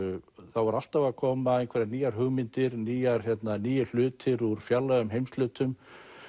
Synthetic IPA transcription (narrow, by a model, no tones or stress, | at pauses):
θawvaɾal̥t̪avakʰɔːmaejnkʰvɛɾaniːjaɾ̥ɦʏɣmɪnt̪ɪɾniːjaɾ̥çjɛt̪naniːjʏl̥ʏːt̪ɪɾuɾ̥fjalːaɣʏmɦejmst̪lʏːt̪ʏm